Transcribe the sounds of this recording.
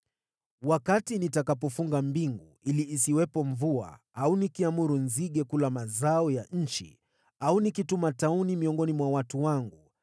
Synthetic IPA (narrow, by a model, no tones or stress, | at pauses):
wakatinitakapɔfuŋɡambiŋɡu | iliːsiwɛpɔɱvua̰ | aunikiamuɾunziɠɛkulamazaɔjaɲ̩t͡ʃḭ | aunikitumataunimiɔŋɡɔnimwawatuwaŋɡu